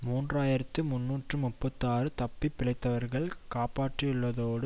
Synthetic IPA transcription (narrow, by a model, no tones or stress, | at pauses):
muːndraːjɪɾɐt̪ːɯmʊnːuːʈrɯmʊpːɐt̪ːaːɾɯt̪ɐpːipːɪɭɐɪt̪ːɐʋɐɾɣɐɭkaːpaːʈrɯjʊɭːɐðoːɽɯ